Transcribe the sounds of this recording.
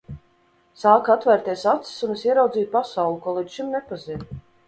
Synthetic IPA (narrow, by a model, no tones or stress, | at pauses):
saːkat̪væɾt̪iɛsat̪si̥sunesiɛɾawd̪iːt̪̚pasawlˠukuɔlˠid̪ʃimnɛpaziɾ